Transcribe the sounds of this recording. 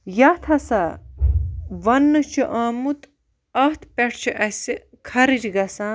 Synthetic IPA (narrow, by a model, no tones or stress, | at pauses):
jɐt̪ʰɐsaː | ʋɐnːɨt͡ʃʰiʔaːmut̪ | ɐht̪ʰpɛʈʰt͡ʃʰiʔɐsi | kʰɐɾid͡ʒɡɐsãː